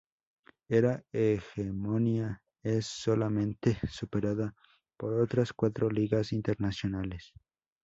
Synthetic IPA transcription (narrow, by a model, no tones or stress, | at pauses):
eɾaexemonja | esːolamẽ̞nt̪esupeɾaða | poɾot̪ɾaskwat̪ɾoliɣasint̪eɾnasjonales